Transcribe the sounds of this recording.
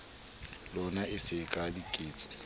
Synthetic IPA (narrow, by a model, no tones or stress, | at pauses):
lɔnaɪsɪkʼadikʼeːt͡sʼɔ̥